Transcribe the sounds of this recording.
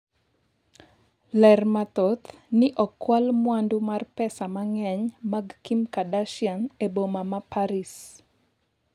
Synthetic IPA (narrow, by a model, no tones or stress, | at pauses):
lɛrmat̪ɔt̪nɪʔɔkːwalmwandumarpɛsamaŋɛɲmaɡkimkadaʃjaŋebomamapaɾis